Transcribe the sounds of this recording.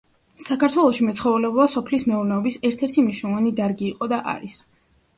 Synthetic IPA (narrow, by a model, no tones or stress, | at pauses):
sakʰaɾt̪ʰwɛlˠɔʃimɛt̪sʰχɔvlɛbɔasɔpʰlismɛuɾnɛɔbisɛɾt̪ʰɛɾt̪ʰimniʃnɔlˠɔvanid̪aɾɡiːqʼɔd̪aʔa̰ɾis